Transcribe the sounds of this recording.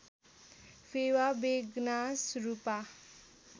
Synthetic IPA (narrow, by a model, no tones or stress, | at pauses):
fʰewabeɡnasɾupa